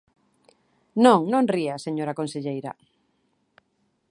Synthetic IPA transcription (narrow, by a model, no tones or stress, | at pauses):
nõŋnõŋriaseɲoɾakonseʎejɾɐ̰